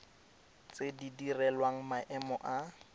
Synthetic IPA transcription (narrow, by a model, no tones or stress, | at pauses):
t͡sʼedidirɛlwaŋ̩maʔɛmɔʔa